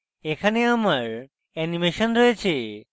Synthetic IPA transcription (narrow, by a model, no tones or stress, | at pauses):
ekʰaneamaɹ | ɛnimeʃɔnɾojet͡ɕʰe